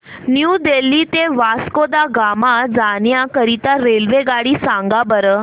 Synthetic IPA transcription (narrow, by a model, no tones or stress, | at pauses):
njud̪elːit̪eʋaskod̪aɡamad͡zanjakəɾit̪aɾelʋeɡaɽiːsãŋɡabəɾə